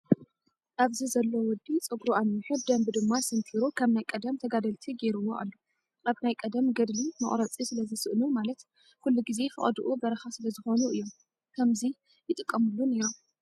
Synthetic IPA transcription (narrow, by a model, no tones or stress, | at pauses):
ʔaβzizɐlːowɔd̪it͡sʼɨɡɾuanːiħud̪ɐmbd̪ɨmːasɨnt̪ʰiɾukʰɐβnajkʼɐd̪ɐmt̪ʰɐɡad̪ɐlt̪ʰiɡeɾɨwːoʔa̰lːu | ʔaβnajkʼɐd̪ɐmɡɐd̪limɐ̰χʼɾɐt͡sʼisɨlɐzɨsɨʔnumalɐt̪ | kulːuɡize̞fʰɨ̰χʼd̪uʔubɐɾɐxasɨlɐzɨxo̞nuɨjːom | kʰɐmzi | jɪt̪ʼɨkʼːɐmulːunɨjːom